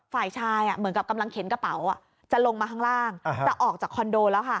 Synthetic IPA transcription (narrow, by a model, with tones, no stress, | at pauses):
faː˨˩jt͡ɕʰaː˧ja˨˩mɯ˩˦nka˨˩p̚ka˧mla˧ŋkʰe˨˩˦nka˧pa˨˩˦wa˨˩ | t͡ɕa˨˩lo˧ŋmaː˧kʰaː˥˩ŋɾaː˥˩ŋ˦t͡ɕa˨˩ʔɔː˨˩k̚t͡ɕaː˨˩kʰːɔ˧ndoː˧lɛː˦˥wkʰa˥˩